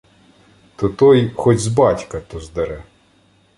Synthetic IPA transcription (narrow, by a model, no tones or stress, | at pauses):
t̪ɔt̪ɔjxɔtʲzbɑtʲkɐt̪ɔzd̪ɐɾɛ